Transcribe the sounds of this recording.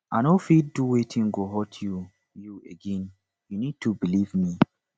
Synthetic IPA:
ʔanofidduwetʰĩŋɡoɦɔtʰju | jueɡɛ̃n | junid̚tʰubilivmi

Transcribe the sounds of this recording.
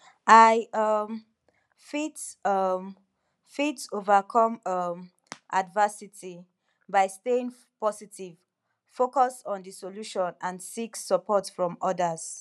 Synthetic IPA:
aɪʌm | fitʌ | fitovakʰɔ̃mʌm | ʔadvəsitʰi | baɪsteĩŋ | pɔsitʰiv̥ | fokɔsɔ̃ndəsoluʃɔ̃nãndsiksəpʰɔtfɹɔ̃mɔdəz̥

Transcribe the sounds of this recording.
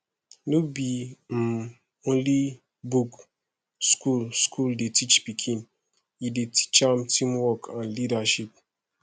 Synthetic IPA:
nobim̩ | õnli | buk | skulskʰuldetit͡ʃpikʰĩn | ideti̥t͡ʃamtʰĩmwɔkʰãnlidaʃip̚

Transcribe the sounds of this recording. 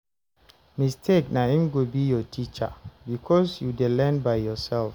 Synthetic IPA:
mistʰeknahĩmɡobijɔtʰit͡ʃa̰bikʰɔsjudelɛ̃nbaɪjɔsɛlf

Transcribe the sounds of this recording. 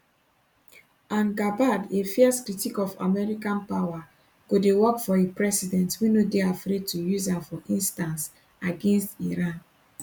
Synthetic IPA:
ãnɡabadefiɛskɾitikɔfa̰mɛɹikãnpawa | ɡ̥odewɔkfɔepɹɛsidɛ̃ntwinodeafɾed̚tujuzafɔʔĩnstãns | aɡẽnstiɾãn

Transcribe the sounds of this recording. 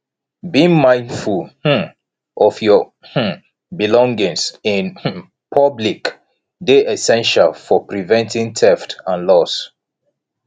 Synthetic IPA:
bĩŋmãɪ̃ndfulh̩ | ʔɔfjɔ | h̩ | bilɔ̃ŋɡĩŋsĩn | pʰʌblik | deʔɛsɛ̃nʃalfɔpɹivɛ̃ntĩŋtʰɛftãnlɔs

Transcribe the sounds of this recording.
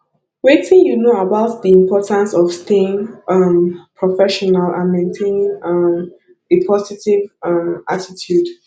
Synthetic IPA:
wetɪ̃ŋjunoabaʊtðiĩmpʰɔtãnsɔfsteɪ̃ŋʔʌmpʰɹɔfɛʃɔnalã̰nmẽntʰẽnɪ̃ŋʌm | epʰɔsitivʌmʔatitʰjud̥

